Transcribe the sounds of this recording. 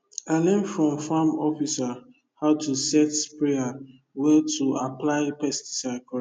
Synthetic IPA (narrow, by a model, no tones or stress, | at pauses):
anẽmfɹɔ̃mfamɔfisa | haʊtusɛtpɹea | wɛtʰuaplaɪpɛsti̥t͡ʃakɔ